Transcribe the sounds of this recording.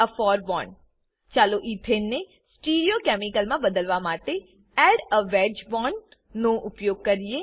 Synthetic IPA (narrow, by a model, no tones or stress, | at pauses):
əpʰɔːɾbɔːn | t͡ʃaːloːʔiːp̪ʰeːnːeː | sʈiːɾioːkɛːmɪkəlmãːbəd̪əlʋaːmaːt̪e | ɛːɖəʋɛːd͡ʒbɔːnː | ũːʔʊpjoːɡ̚kəɾɪeː